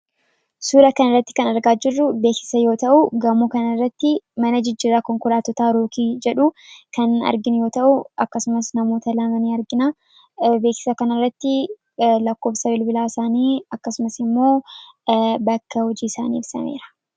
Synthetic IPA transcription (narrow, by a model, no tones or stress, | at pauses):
suːɾɐkɐnɐrːɐt̪ːɪ̥kɐnɐɾɡaːd͡ʒɪrːʊbe̞ːksɪ̥sɐjo̞ːt̪ɐʔʊɡɐmukɐnɐrːɐt̪ːɪmɐnɐd͡ʒɪd͡ʒːiːrːaːkɔŋkɔlaːt̪ɔt̪aːɾo̞ːkiːd͡ʒɛᶑukɐnɐ̰ɾɡɪnjo̞ːt̪ɐʔʊʔɐkːɐsʊmɐsnɐmo̞ːt̪ɐlɐmɐniːɐɾɡɪna | be̞ːksɪ̥sɐkɐnɐrːɐt̪ːɪ | lɐkːo̞ːfsɐbɪlbɪlaːɪsaːniːɐkːɐsʊmɐsɪmːo̞ː | bɐkːɐhɔd͡ʒiːɪsaːnḭːɪbsɐ̰mḛːɾɐ̥